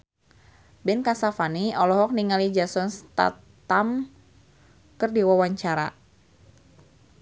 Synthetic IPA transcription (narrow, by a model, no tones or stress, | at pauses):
bɛnkasafaniɔlɔɦɔk̚niŋalid͡ʒasɔnst̪a̰ | t̪am | kərdiwawaɲt͡ʃaɾa